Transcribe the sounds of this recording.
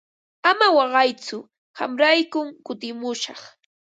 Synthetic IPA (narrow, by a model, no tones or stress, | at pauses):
amawɑɢɑjt͡sʊ | ha̰mɾajkʊmkʊt̪ɪmʊʃɑχ